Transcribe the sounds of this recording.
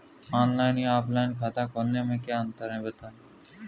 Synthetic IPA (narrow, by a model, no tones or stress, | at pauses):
ɔːnlaːɪniaːplaːɪnkʰaːt̪ãːkoːlːẽːmẽːkjãːənt̪əɾɦɛ̃ːbət̪aː